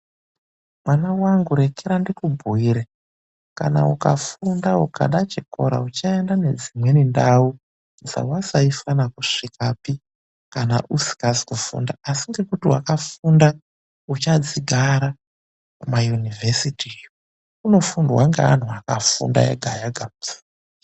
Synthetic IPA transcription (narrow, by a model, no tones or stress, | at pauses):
mwanawaŋɡuɾe̞keɾandikubʱuiɾe | ka̰na̰uka̰fundauka̰ɗat͡ʃiko̞ɾa̰ut͡ʃaendane̞d͡zimwe̞nindau | nza̰wasaifanakuʂikapi | kana̰ʔusi̥kazi̥kufṵndaːsiŋɡe̞kutiwa̰kafunda | ut͡ʃad͡ziɡʱaɾa | majunivʱesitʰijo | uno̞fundwaŋɡḛa̰n̤uakafṵnda̰jḛɡʱajaɡʱḁ